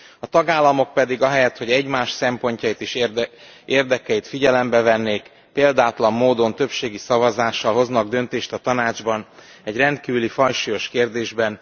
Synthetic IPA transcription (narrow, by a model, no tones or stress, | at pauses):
ɒt̪ɒɡaːlːɒmo̞k̚pɛd̪iɡɒɦɛjɛt̪ho̞ɟɛɟmaːʃsɛmpo̞ɲcɒjit̪eːʃ | eːrd̪ɛkɛjit̪fiɟɛlɛmbɛvɛnːeːk | peːld̪aːt̪lɒmːoːd̪o̞nt̪ø̞pʃeːɡisɒvɒzaːʃːɒlɦo̞znɒɡ̚d̪ø̞nt̪eːʃt̪ɒt̪ɒnaːd͡ʒbɒn | ɛɟrɛnt̪kiːvylifɒjʃijo̞ʃkeːrd̪eːʒbɛn